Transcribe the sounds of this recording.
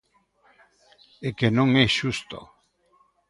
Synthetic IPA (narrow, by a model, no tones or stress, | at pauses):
ekenõŋɛʃust̪o̰